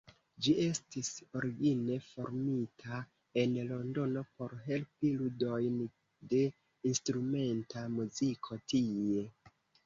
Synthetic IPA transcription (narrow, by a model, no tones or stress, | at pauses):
d͡ʒie̞stiso̞ɾiɡine̞fo̞ɾmitʰa | e̞nlo̞ndo̞no̞po̞ɾɦe̞lpiludo̞jn | de̞ | instɾume̞ntamuzikʰo̞tie̞